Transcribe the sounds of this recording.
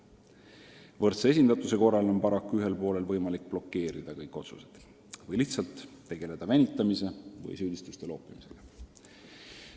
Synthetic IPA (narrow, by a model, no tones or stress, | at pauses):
vɤrt̪sees̬ʲind̪̥ɑt̪use̞ko̞rːɑlo̞npɑɾɑkːuyɦe̞lpo̞ːle̞lvɤjmɑlik̚ːplo̞kːe̞ːɾid̪̥ɑkɤjkːˑo̞t̪sused̪̥ | vɤjliçht̪sɑlt̪ː | e̞ɡ̥e̞le̞d̪̥ɑvenʲit̪ˑːɑmise̞vɤ̰jsyːd̪̥ʲist̪ust̪e̞lo̞ːpːˑimise̞ɡ̥ɑ